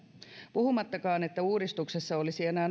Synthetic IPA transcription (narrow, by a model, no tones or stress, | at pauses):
puhumɑt̪ːɑkɑːnet̪ːæuːɾist̪uksesːɑolisienæːn